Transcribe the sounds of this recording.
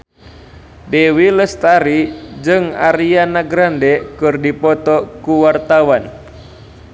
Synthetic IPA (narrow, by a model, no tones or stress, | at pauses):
dɛwiləst̪aɾid͡ʒɨŋa̰ɾianaɡɾandɛkɨrdipɔt̪ɔkuwart̪awan